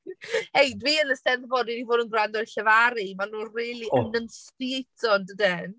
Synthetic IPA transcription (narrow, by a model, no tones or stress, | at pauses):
hejdwiənəstɛnθbɔdinivoːdənɡrandɔdɬəvaɾimanuriːlˠiənənstiejtʰɔndədɛn